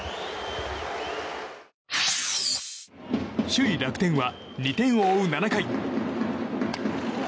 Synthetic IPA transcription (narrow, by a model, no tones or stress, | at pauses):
ɕɨiɾakɯ̟̥t̪ẽ̞ɰ̃βaɲʲit̪ẽ̞ɰ̃oːɯ̟nanakai